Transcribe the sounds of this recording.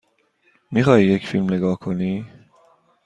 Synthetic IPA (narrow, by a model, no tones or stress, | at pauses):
miχaijekfilmleɡakʰoni